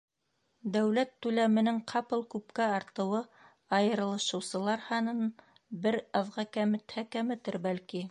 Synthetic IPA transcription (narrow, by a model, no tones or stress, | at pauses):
d̪æwlæt̪ːʉlæmɘ̆nɘŋqʰɑpɤlˠkʉpkæɑɾt̪ɤ̆wɤ | ɑjɤ̆ɾɤ̆lˠɤ̆ʃɤ̆wsɤ̆lˠɑɾhɑnɤn | bɘɾɑvʁɑkæmɘ̆t̪hækæmɘ̆t̪ɘɾbælki